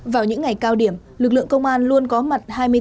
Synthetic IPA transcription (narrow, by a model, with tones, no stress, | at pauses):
vaː˨˩wɲɨ̰˧˥ŋːa˨˩jkaː˧wɗi˧˩əm | lɨ˨˩k̚lɨ̰˧˨əŋkə˧wŋ͡mʔaː˧nlu˧ənkɔ˨˦ma˨˩t̚haː˧jmɨ˧ə